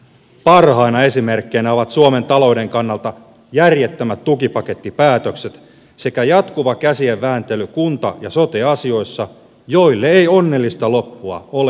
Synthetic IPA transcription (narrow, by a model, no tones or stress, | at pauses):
pɑrhɑinɑe̞sime̞rkːejnæoʋɑt̪suome̞nt̪ɑlo̞ude̞ŋkɑnːɑlt̪ɑ | jærjet̪ːømæt̪t̪ːukipɑket̪ːipæːt̪økset̪ | se̞kæjɑt̪kuʋɑkæsie̞ʋːæːnt̪e̞lykunt̪ɑ̰jɑso̞t̪eɑsio̞isːɑ | joilːeeio̞nːe̞lːist̪ɑlo̞pːuɑ̰ole